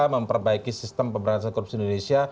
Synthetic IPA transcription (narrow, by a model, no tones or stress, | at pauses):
aməmpərbaikisist̪əmpəmbəɾas̬akɔrupsiind̪onesia